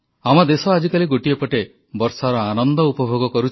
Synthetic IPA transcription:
amad̪esɔad͡ʒikaliɡoʈiepɔʈe | bɔɾsaɾɔanɔnd̪ɔupɔbʱoɡɔkɔɾut͡ʃʰ

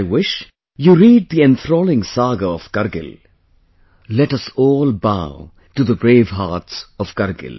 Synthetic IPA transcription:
ɪwɪʃ | juɾiːɖ̚d̪iɛ̃nθɾoːlɪ̃ŋsaːɡəɔv̥kʌɾɡɪ̰l | lɛʈʌsɔːlbaʊ | ʈuðəbɾeːvɦaːʈsʌv̥kʌɾɡɪ̰l

